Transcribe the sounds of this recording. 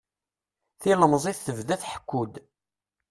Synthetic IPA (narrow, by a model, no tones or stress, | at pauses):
θiləmzˤiθθəvðæθħə̥kʷːud̪